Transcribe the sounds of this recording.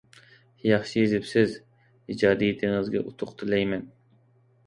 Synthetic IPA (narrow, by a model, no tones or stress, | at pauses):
jɑχʃijezɪpsɪz | id͡ʒɑːd̪ijit̪ʰɪŋɨzɡʲɛ̰ʔut̪ʰʊqt̪ʰɨlɛjmɛn